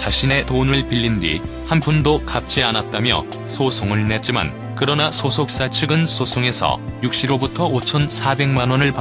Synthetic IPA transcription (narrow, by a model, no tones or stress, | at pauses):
t͡ɕaɕʰine̞tonɯɭpiʎːindḭ | hanpundokap̚t͡ɕ͈ʰianat̚t͈amjʌ̰ | sʰosʰoŋɯɭne̞t̚t͡ɕ͈ima̰n | kɯɾʌnasʰosʰok̚s͈at͡ɕʰɯɡɯnsʰosʰoŋe̞sʰʌ̰juk̚ɕ͈iɾobutʰʌot͡ɕʰʌnsʰabe̞ŋmanwʌnɯɭpa